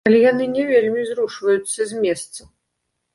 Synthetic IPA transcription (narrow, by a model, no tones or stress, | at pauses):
ɐlʲijanɨnʲɛvʲelʲmʲizɾuʂvɐjut̪sːɐzʲmʲɛst̪sɐ